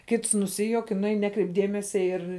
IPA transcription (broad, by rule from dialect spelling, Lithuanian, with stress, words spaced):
ˈkʲɪts nʊˈsʲɪjuɔk ɪ nʊˈɛɪn ˈnʲæːkrʲɛɪp ˈdʲeːmʲɛsʲɛ ɪr